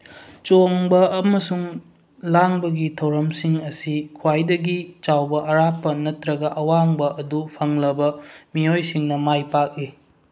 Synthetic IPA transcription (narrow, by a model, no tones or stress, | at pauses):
t͡ʃoŋbɐːmɐsuŋ | laŋbɐɡitʰɐwɾɐmsiŋɐsikʰwajdɐɡit͡ʃawbɐɐɾapːɐnɐtɾɐɡɐʔɐwaŋbɐʔɐdupʰɐŋlɐbɐmiojsiŋnɐmajpak̚i